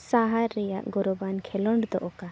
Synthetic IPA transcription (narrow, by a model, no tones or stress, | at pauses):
saɦaɾːɛjaʔɡɔɾɔbankʰɛlɔɳɖd̪ɔʔɔka